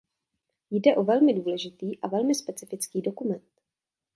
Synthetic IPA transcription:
jdɛʔo̞vɛlmɪduːlɛʒɪt̪iːʔavɛlmɪspɛt͡sɪfɪt͡skiːdo̞kumɛnt̪

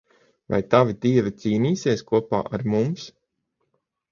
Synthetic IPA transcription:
va̰jt̪avit̪iɛvit̪siːniːsiɛskuɔpa̰ːʔaɾmums

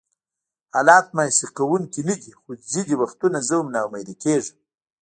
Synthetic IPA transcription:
alɑːt̪̚masiqawuŋkinəd̪ixod͡zid̪iwaxt̪unazəwmnawmajɾikeʐəm

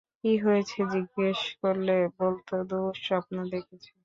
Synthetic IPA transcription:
kiɦojet͡ɕʰed͡ʑiɡːeʃkoɾlebolt̪od̪uʃoap̚nad̪ekʰet͡ɕʰen

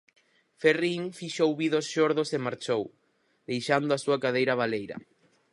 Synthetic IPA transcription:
feriŋfiʃowβiðosʃoɾðʊsemaɾt͡ʃow | ðejʃand̪ʊasuakað̞ejɾɐβ̞alejɾɐ̰

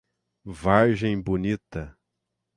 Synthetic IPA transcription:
vaɾʒẽj̃bonit̪ɐ

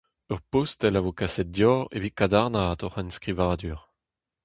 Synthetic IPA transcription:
œʁpost̪ɛlavokasɛt̪̚d̪jɔːʁḛvikad̪aʁnaːt̪ɔʁanskʁivaːd̪yːʁ

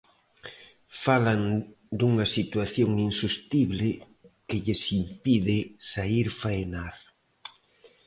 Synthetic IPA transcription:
falan | d̪uŋɐsit̪waθjoŋinsust̪iβlɪ | kɪʎɪsimpiðɪsaiɾfajnaɾ

